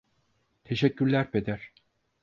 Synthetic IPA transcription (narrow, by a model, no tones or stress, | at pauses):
t̪ʰe̞ʃɛcːyɾlʲæɾped̪æɾ̥